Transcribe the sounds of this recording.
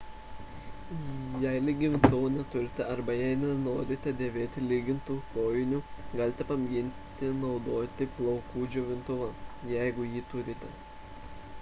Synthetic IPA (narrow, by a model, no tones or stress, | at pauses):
jɛɪlʲɪɡʲɪʋʲɪnt̪ʊʋonʲɛt̪ʊɾʲɪt̪ʲɛɐɾbɐjɛɪnʲɛnoːɾʲɪt̪ʲɛd̪ʲeːʋʲeːt̪ʲɪlʲiːɡʲɪnt̪uːk̪oːjɪnʲuɡɐlʲt̪ʲɛpɐmʲjʲɪnʲt̪ʲɪnɒʊd̪oːt̪ʲɪplˠɔʊkuːd͡ʒʲuʋʲɪnt̪ʊʋɐjɛɪɡʊjiːt̪ʊɾʲɪt̪ʲɛ̰